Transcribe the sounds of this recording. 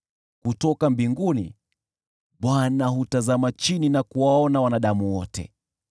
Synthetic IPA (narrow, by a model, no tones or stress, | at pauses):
kutɔkambiŋɡunḭ | ɓwanaɦutazamat͡ʃininakuwaɔnawanaɗamuwɔtɛ̰